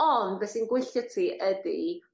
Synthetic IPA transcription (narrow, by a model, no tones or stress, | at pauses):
ɔndbɛsinɡwɪɬjɔtʰiːʔədḭ